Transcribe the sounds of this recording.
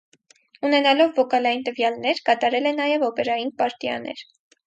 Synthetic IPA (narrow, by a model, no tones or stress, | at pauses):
unɛnɑlɔvːɔkɑlɑjint̪əvjɑlnɛɾkɑt̪ɑɾɛlɛnɑjɛvɔpɛɾɑjinpɑɾt̪jɑ̰nɛ̰ɾ